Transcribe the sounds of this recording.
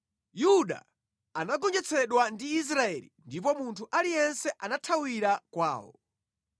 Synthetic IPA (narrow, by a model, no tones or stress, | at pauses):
juɗa̰ | anaɡɔnd͡ʒɛt͡sʰɛɗwandiːs̬ɾaɛlḭndipɔmuntʰuʔalijɛnsɛʔanatʰawiɾakwa̰ːwɔ̰